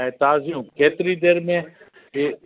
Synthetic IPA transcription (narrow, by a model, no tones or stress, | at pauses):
ẽt̪aːziũkeːt̪ɾid̪eːɾmẽ